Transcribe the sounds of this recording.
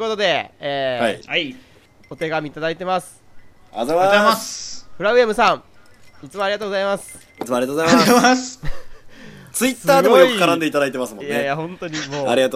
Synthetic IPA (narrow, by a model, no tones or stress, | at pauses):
ko̞t̪o̞d̪e̞ːaa | ot̪eɡamʲiːt̪ad̪ait̪e̞masɨ̥ | a̰zaaasɸɯɾaɯ̟emɯ̟sãŋ̃ | it͡sɨmoaɾʲiɡat̪oːɡo̞zaimasɨ̥ | it͡sɨmoaɾiat̪oozajmaas | t͡sɨit̪sːaːdɡ̪e̞mojokiɯ̟̥kaɾãnd̪e̞it̪ad̪ait̪e̞masɨmõnj̪ajaɦõ̞nt̪o̞ɲ̟imoːaɾʲiɡat̪o